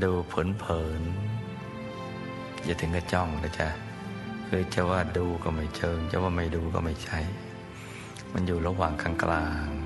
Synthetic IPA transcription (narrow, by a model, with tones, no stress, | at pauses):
duː˧pʰɯː˨˩˦npʰɤː˩˦n | ja˧˩t̪ʰɯ˨˩˦ŋka˧˩t͡ɕɔ˥˩ŋla˧˩t͡ɕa˧˩ | kʰɯː˧t͡ɕa˧˩waː˥˩duː˧kɔː˥˩ma˥˩jt͡ɕʰɤː˧ŋt͡ɕa̰˧˩waː˧˥˩ma˥˩jduː˧kɔ̰˥˩ma˥˩jt͡ɕʰa˥˩j | ma˧njuː˨˩ɾa˧waː˨˩ŋkʰaː˧˩ŋklʔaː˧ŋ